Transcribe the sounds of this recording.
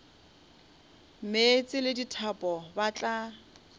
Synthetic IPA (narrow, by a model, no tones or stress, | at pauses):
met͡sʼɪlɪditʰapʼɔbat͡ɬʼa